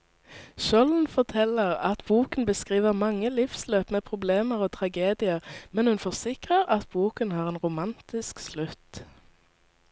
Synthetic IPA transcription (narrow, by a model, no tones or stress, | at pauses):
ʃɔln̩fɔʁt̪ʰɛləʁɑt̪buːkən̩bəskʁiːʋəʁmɑŋːəlɪfsløːpmeːpʰʁʊbleːməʁoːt̪ʰʁɑɡeːd̪ɪəʁmɛnhʉnfɔʁsɪkʁəʁɑt̪̚buːkənhɑːʁeːnʁʊmɑnt̪ɪskslʉt̪